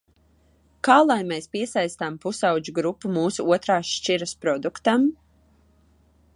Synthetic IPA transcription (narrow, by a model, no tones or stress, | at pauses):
kɑːlˠajmespiɛsajst̪ampusawd͡ʒuɡɾupːumuːsuuɔt̪ɾaːʃt͡ʃiɾɐspɾɔd̪ukt̪am